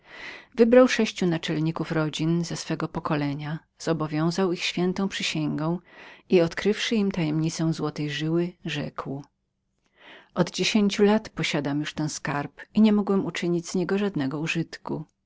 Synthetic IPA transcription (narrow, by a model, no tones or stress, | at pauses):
vɘbɾawʂɛɕt͡ɕunat͡ʂɛlɲikufɾɔd͡ʑinzɛsfɛɡɔpɔkɔlɛɲa | z̥ɔbɔvʲjɔ̃w̃zawixɕfʲjɛnt̪ɔ̃w̃pʂɘɕɛŋɡɔ̃w̃iɔt̪kɾɘfʂɘimt̪ajɛmɲit̪sɛ̃w̃zwɔt̪ɛjʐɘwɘʐɛ̰kw | ʔɔd̪d͡ʑeɕeɲt͡ɕulat̪pɔɕad̪amjuʂt̪ɛñskaɾpiɲɛmɔɡwɛmut͡ʂɘɲid͡ʑz̥ɲɛɡɔʐad̪nɛɡɔuʐɘt̪ku